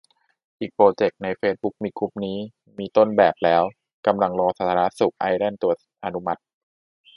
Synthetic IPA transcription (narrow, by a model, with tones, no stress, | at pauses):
ʔiː˨˩k̚pɾoː˧t͡ɕe˨˩k̚na˧jfeː˦˧˥t̪̚bu˦˥k̚miː˧kʰu˦˥p̚niː˦˥ | miː˧t̪o˥˩nbɛː˨˩p̚lɛː˦˥w | ka˧mla˧ŋɾɔː˧sa˨˩t̪ʰaː˧ɾa˦˥su˨˩k̚ʔa˧jlɛ˥˩nt̪u˧˩ɐ | ʔa˧nu˦˥ma˦˥t̪̚